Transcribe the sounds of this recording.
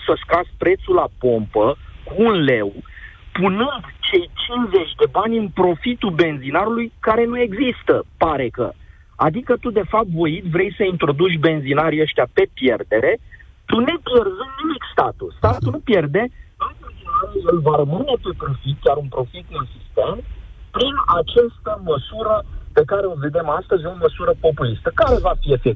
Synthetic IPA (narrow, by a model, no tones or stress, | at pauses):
səskɾaspɾe̞t̪sulapo̞mpəkuːnle̞wpunɨnd̪t͡ʃe̞jt͡ʃinze̞t͡ʃʲd̪e̞banʲɨnpɾo̞fit̪ube̞nzinaɾulujkaɾe̞nue̞ɡzist̪əpaɾe̞kə̰ | ad̪ikət̪ud̪e̞fap̚t̪vo̞jit̪vɾe̞jsəint̪ɾo̞d̪ut͡ʃʲbe̞nzinaɾiəʃt̪ʲjape̞pje̞rd̪e̞ɾe̞ | t̪une̞pje̞rzunnimikst̪at̪ṵst̪at̪unupje̞rd̪e̞unbenzinaɾujelvaɾəmɨne̞pe̞pɾofit̪̚kʲaɾunpɾo̞fit̪insist̪ent̪pɾinat͡ʃast̪əməsuɾəpe̞kaɾe̞o̞ve̞d̪emast̪əzʲo̞məsuɾəpo̞pulist̪əkaɾe̞vafie̞fe